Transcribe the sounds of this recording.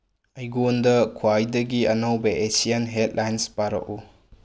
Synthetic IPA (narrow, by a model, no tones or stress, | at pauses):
ɐjɡondɐkʰuwajdɐɡiɐnɐwbɐʔesianɦet̚lʔajnspaɾɐ̰ʔu